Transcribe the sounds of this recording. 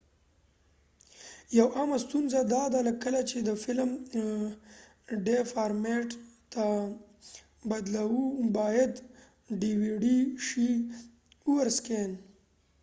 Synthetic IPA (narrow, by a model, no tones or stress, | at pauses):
jawʔɑmast̪unzad̪ɑd̪aləkːəlat͡ʃed̪əfɪlm | ɖefɑɾmeʈt̪a | bad̪lawubɑjad̪ | ɖiwiɖiʃi | uwaɾsken